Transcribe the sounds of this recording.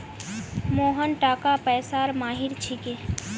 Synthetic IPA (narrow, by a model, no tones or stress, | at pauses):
moːɦənʈaːkapɛːsaːɾmaːɦiɾt͡ʃʰikeː